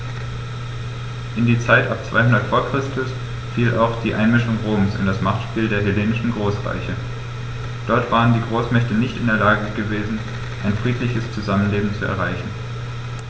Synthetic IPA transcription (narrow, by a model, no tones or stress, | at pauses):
ʔɪndiːɐt͡saɪtʔap̚t͡sv̥a̰ɪɦʊndɐtfoːɐkʁ̥ɪstʰʊs | fiːlʔa̰ʊxd̥iːʔaɪnmɪʃʊŋʁoːmsɪ̰ndasmaχtʃpiːldeːɐɦɪleːnɪʃn̩ɡʁoːsʁa̰ɪçə | d̥ɔɐtv̥aːʁ̞əndiːɡʁoːsmɛçtənɪçtɪndeːɐlaːɡəɡəveːzn̩ | ʔaɪnfʁ̥iːtlɪçəst͡suzamənleːbm̩t͡suɛ̰ɐʁaɪçn̩